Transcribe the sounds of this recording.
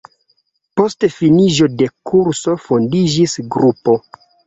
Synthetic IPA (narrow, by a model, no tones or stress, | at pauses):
po̞stefinid͡ʒo̞de̞kʰuɾso̞fondid͡ʒisɡɾupo̞